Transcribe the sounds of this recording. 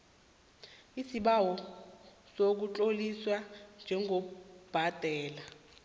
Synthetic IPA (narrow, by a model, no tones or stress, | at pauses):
isiɓawɔ | sok̬ut͡ɬʼoliswand͡ʒʱɛŋɡʱob̥ʱad̥ʱɛːla